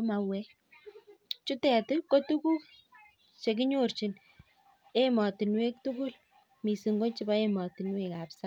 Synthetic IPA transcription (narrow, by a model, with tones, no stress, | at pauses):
ma˧wɛ˦ | t͡ʃu˦tɛ˨tɪ˦ko˦tu˦ku˦k̚ | t͡ʃe˨k̬i˦ɲo˦rt͡ʃi˨n | e˦mɔ˨ti˨nwe˦k̚tu˦kʊ˦l | mi˨si˨ŋɡo˦t͡ʃi˦ba˦e˦mɔ˨ti˨nwe˦ka˨psa˦